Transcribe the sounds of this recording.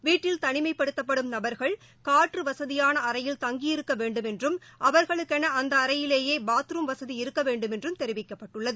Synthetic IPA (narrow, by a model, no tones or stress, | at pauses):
ʋiːʈːɪlt̪ɐɳɪmɐɪpːɐɽɯt̪ːɐpːɐɽɯmnɐbɐɾɣɐɭ | kaːʈrɯʋɐsɐðɪjaːnɐɐɾɐjɪlt̪ɐŋɡijɪɾɯkːɐʋeːɳɖɯmɛndrɯmʔɐʋɐɾɣɐɭɯkːɛnɐʔɐnd̪ɐːɾɐjɪleːjeːbaːt̪ɯɾɯmʋɐsɐðiɪɾɯkːɐʋeːɳɖɯmɛndrɯmt̪ɛɾɪʋɪkːɐpːɐʈːɯɭːɐðɯ